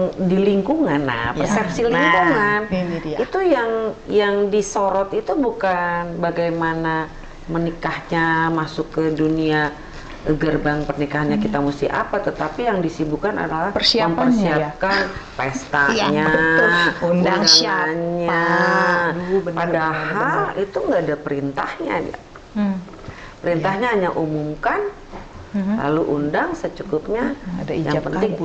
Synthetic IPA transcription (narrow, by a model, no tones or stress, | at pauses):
ŋdiliŋkuŋana̰pəsɛp̚siliŋkuŋanit̪ujaŋjaŋdisoɾɔt̪it̪ubukanbaɡajmana | mənikahɲamasʊkːədunia | ɡərbaŋpərnikaɦanɲakit̪amust̪iha̰pat̪ət̪apijaŋdisibukana̰dalahərsiməmpərsiap̚kanpest̪aɲa | uaaŋanɲa | padahhalit̪uŋɡaːdapəɾint̪ahɲa̰dia̰ | pəɾint̪ahɲaɦaɲaʔumumkan | la̰luʔundaŋsət͡ʃukʊp̚ɲadaijapənt̪ɪŋ